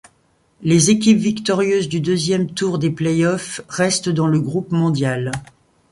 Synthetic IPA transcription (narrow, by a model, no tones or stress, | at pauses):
lezekʲipvikt̪ɔʁjøzd̪yd̪øzjɛmt̪uʁd̪eplɛjɔfʁɛst̪d̪ɑ̃ləɡʁupmɔ̃d̪jal